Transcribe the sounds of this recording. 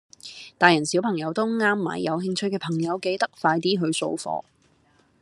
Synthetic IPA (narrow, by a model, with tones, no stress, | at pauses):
t̪aː˨jɐ˨˩nsiː˨˥wpʰɐ˨˩ŋjɐ˨˧wt̪o˥wŋaː˥mːa̰ː˨˩jːɐ˨˧wɦɪ˧ŋt͡ʃʰɵ˧˥jkɛː˧pʰɐ˨˩ŋjɐ˨˧wke˨˧jt̪ɐ˥k̚faː˧jt̪iː˥ɦɵ˧ɥso̰˧wfɔ̰ː˧